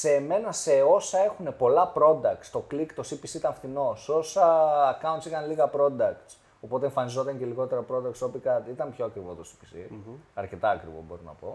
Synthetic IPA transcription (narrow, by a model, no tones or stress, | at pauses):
se̞ːme̞nɐse̞o̞sɐe̞xune̞po̞lɐpɾo̞d̪ɐk̚t̪st̪o̞klikt̪o̞sipisiit̪ɐɱfθino̞so̞sɐːkɐunt̪sixɐnliɣɐpɾo̞d̪ɐkt̪s | o̞po̞t̪eɱfɐnizo̞t̪ɐɲceliɣo̞t̪e̞ɾɐpɾo̞d̪ɐkt̪so̞pikɐt̪it̪ɐmpço̞ɐkɾivo̞t̪o̞si̥pisḭɐɾce̞t̪ɐːkɾḭvo̰bo̞̰ɾinɐ̰po̞̰